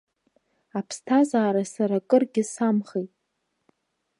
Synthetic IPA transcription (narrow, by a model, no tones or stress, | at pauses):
apʰstʰazaːɾasaɾakʼɨrɡʲɪsamχejtʼ